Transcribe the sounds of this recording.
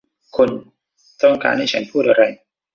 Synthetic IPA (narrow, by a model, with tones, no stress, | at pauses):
kʰo˧n | t̪ɔ˥˩ŋka̰ː˧nha˥˩jt͡ɕʰa˦˥npʰuː˥˩t̪̚ʔa˧ɾa˧j